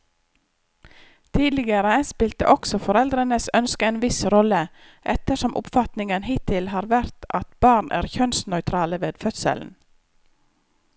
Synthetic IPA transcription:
t̪ʰiːd̪lɪɡəɾəænspɪlt̪ə̰ʔɔksɔfɔɾɛld̪ɾənəsœnskəeːnʋɪsɾɔlə | ʔɛt̪əʂɔmʔʊ̰pfɑt̪nɪŋənɦɪt̪ʰɪlhɑːɾʋæɾt̪ɑt̪bɑːɳʔæ̰ːɾçœnsnœʏt̪ʰɾɑːləʋeːd̪fœt̪sə̰ln̩

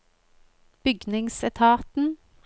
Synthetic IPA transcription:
b̥ʏɡnɪŋsɛt̪ʰɑːt̪n̩

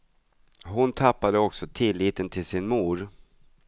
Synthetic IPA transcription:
ɦʊnt̪ʰapːad̪əɔksɔt̪ʰɪlːiːt̪ənt̪ʰɪlsɪnmuːɾ

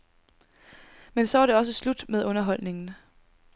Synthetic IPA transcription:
mensɒ̽ʋɑɾe̝ɒ̽s̬əslud̥meðˠɔ̽nɐɦɒ̽l̰ne̝ŋn̩

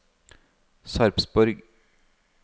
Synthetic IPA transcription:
sɑɾpsbɔɾɡ

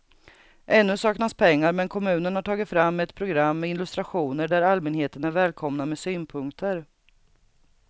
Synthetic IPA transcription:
ʔɛnːɵsɑːknaspʰɛŋːaɾmɛnkʰɔmʉ̟ːnənhaʈʰɑːɡɪt̪fɾamːɛt̪pʰɾʊɡɾamːɛɪnlɵst̪ɾaɧuːnəɖæɾalmɛnheːt̪ənæɾvɛːlkʰɔmnamɛsyːnpʰɵŋkt̪ʰəɾ

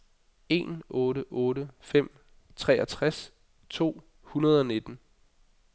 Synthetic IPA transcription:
e̝̰nʔɔ̽ːɾəʔɔːɾəfem̰ | t͡sʰʁɛ̰ːæt͡sʰʁas | t͡sʰo̝̰ː | hunɐð̞ˠɒ̽ne̝d̥n̩

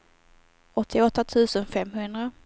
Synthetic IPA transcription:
ʔɔt̪ʰːɪɔt̪ːat̪ʰʉ̟ːsənfɛmːɦɵnd̪ɾa

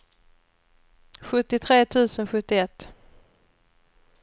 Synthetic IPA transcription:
ɧɵt̪ːɪt̪ʰɾeːt̪ʰʉ̟ːsənɧɵt̪ːɪɛt̪ː

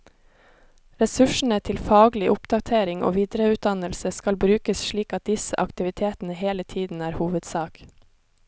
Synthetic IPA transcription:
ɾɛsʉʃɳ̩ət̪ʰɪlfɑːɡlɪʔʊpd̪̥ɑt̪ʰeːɾɪŋo̰ːʋiːd̪ɾəʉːt̪̚d̪ɑnəlsəskɑlbɾʉːkəsʃɭiːkɑt̪̚d̪ɪsə̰ʔɑkt̪ɪʋɪt̪ʰeːt̪n̩əheːlət̪ʰiːd̪n̩æːɾhuːʋəd̪sɑːk

